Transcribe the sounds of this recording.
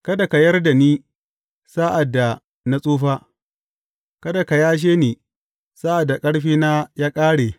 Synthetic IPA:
kɐ˦da˨ka˨jɐ˦rda˨niː˦ | saː˦ʔa˨dːa˨ | na˦sʼuː˦ɸaː˦ | kɐ˦da˨ka˨jaː˦ʃ̬eː˦niː˨ | saː˦ʔa˨dːa˨kʼɐ˦ɽɸiː˦naː˦jaː˦kʼaː˦ɽeː˨

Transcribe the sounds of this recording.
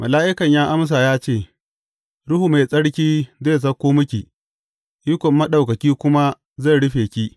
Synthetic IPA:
mʔɐ˨laː˦ʔɪ˦kɐ˨ɲjaː˦ʔa˦ms̬aː˨jaː˦t͡ʃeː˦˨ | ɽʊ˦hu˨ma˨sʼɐ˦ɽkʲiː˦zeː˦˨s̬ɐ˦kʷːoː˦mʊ˦kʲi˨ | jʊ˦kʷɔ˨mːɐ˦ɗa˨wkɐ˨kʲiː˦kʷʊ˦ma˦ | za˦˨ɽʊ˦ɸeː˨kʲiː˦ʔ

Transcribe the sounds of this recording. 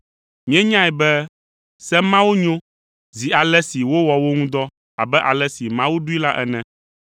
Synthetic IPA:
mĩ˦ɛ̃˦ɲã˦ɛ˨bɛ˦ | sɛ˦mã˦wo˦ɲõ˦ | zi˨a˨lɛ˦si˨wo˦wɔ˨wo˦ŋũ˦d̪ɔ˦ | a̰˨bɛ˦ʔa˨lɛ˦si˨mã˦wu˦ɖu˦i˦la˦ʔɛ˨nɛ̃˦

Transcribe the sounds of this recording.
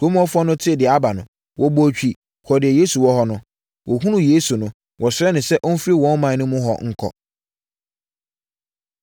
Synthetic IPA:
tʰo˦m˦ɔ˦fʊ˦ɔ˦nʊ̃˦tʰɪ˦˨dɪ˨a˦ba˨nʊ̃˨ | wʔɔ˦bo˦t͡ɕᶣi˦ | kʰɔ˨dɪ˨ɛ˨je˦su˨wɔ˦ɦɔ˦nʊ̃˦ | wʔɔ˨ɦũ˦nʊ̃˦je˦su˨nʊ̃˦ | wɔ˨sɛ˦nʊ̃˨sɛ˦ʔɔ˦n̩˦fɾi˦wɔ̃˦n˦mã˨˦nʊ̃˦mʊ̃˦ɦɔ̰˨ŋ̩˦kʰɔ̰˨

